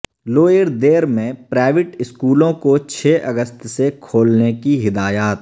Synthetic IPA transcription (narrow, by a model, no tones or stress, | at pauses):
loːjəɾd̪eːɾmẽpɾaːɪʋɪʈɪskuːlõkot͡ʃʰeːʔɐɡəst̪sekʰoːlnekiɦɪd̪aːjaːt̪